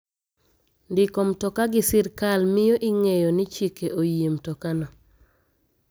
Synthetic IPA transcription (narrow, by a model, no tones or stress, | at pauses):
ndɪkɔmtɔkaɡisiɾkalmɪjoʔiŋejonit͡ʃikeʔojemtɔkanɔ